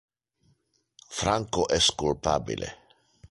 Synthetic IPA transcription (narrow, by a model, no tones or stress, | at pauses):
fɾaŋkoʔɛskulpa̰bḭlʔḛ